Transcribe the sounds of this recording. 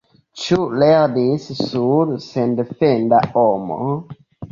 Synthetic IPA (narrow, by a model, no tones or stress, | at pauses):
t͡ʃuleɾnissuɾsendefendaomo̰